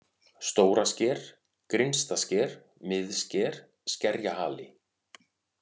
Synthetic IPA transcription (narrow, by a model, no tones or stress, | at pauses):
st̪oːwɾascɛːɾ̥ | kɾɪnst̪ascɛːɾ̥ | mɪðscɛːɾ̥ | scɛɾjaha̰ːlɪ